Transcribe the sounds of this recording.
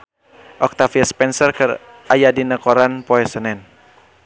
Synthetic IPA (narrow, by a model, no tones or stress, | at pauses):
ʔɔk̚t̪afiaspɛnsərkɨr | ʔajadinəkɔɾanpɔɛsənɛn